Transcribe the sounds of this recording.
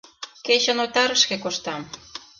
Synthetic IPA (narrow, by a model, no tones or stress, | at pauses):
ket͡ɕə̆not̪ɑɾəʃkekoʃt̪ɑm